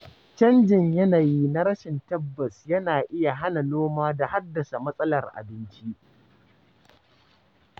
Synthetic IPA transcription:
t͡ʃɐ˦nd͡ʒɪ˨ɲjɐ˦na˨ji˦na˦ɾɐ˦ʃɪ˨ntɐ˦bːɐ˨sjɐ˦naː˨ʔɪ˦ja˨ɦa˦na˨noː˦maː˦da˨ha˦dːɐ˨sa˨mɐ˦sʼɐ˦lɐ˨rʔa̰˨bɪ˦nt͡ʃi˦ʔ

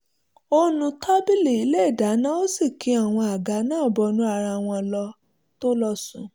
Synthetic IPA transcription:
o˦nũ˧tʰa˦bi˦le˨i˨˦lɛ˦˨da˨˦nã˦o˦si˦˨kʰĩ˨˦a˦˨w̃ɔ̃˧a˨ɡa˨˦nãː˦˨bɔ˧nũ˧˦a˨ɾa˧˨w̃ɔ̃˧lɔ˧ | to˦lɔ˦˧sũ˨

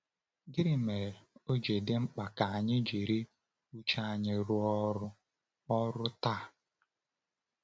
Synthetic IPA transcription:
ɡɪ˦ɾɪ˦me˨ɾo˦d͡ʒe˨dɪ˦ŋ͡m̩˦k͡pa˨ka˨a˨ɲɪ˦d͡ʒe˨ɾe˦ | u˦t͡ʃa˦a˨ɲɪ˨ɾʊ˦ɔ˦ɾʊ˦ | ɔ˦ɾʊ˦ta˦˨

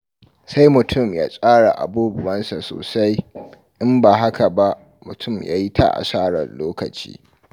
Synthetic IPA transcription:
sa˦jmʊ˨tʰʊ˦˨mjaː˦sʼaː˦ɽa˨ʔa̰˨buː˦bʊ˨wɐ˦nsa˨so̰ː˨sa˦j | ʔɪ˦mba˨ɦa˦ka˨ba˦ʔ | mʊ˨tʰʊ˦˨mja̰ː˦ji˦tʰa̰˦ʔa̰˨saː˦ɽɐ̰˨nloː˦kɐ˨t͡ʃḭː˦

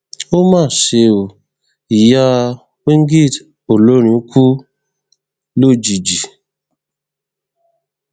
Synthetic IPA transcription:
o˦mãː˦˨ʃe˧o˨ | i˨ja˦ | we˦ŋ˦ɡi˦˨t | o˨lo˦ɾ̃ĩ˧˦kʰu˦ | lo˦˨d͡ʒi˨d͡ʒi˨

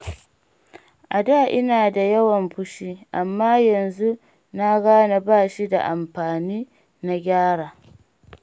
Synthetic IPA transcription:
ʔa˨da˦˨ʔɪ˦naː˨da˨jɐ˦wɐ˨mɸʊ˦ʃiː˦ʔa˨mːaː˦jɐ˨nzu˦ | na˦ɡaː˦na˨baː˦˨ʃi˦da̰˨ʔa˨mɸaː˨niː˦ | na˦ɡʲaː˦ɽaː˨

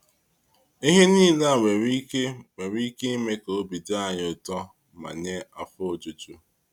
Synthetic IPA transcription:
i˦ɦe˦niː˦la˦˨we˨ɾi˦e˦we˨ɾi˦ke˦me˦ko˨o˦bi˨da˦a˨ɲ˨ʊ˨tɔ˦ | ma̰˨ɲe˦a˨fo˨d͡ʒu˨tu˦

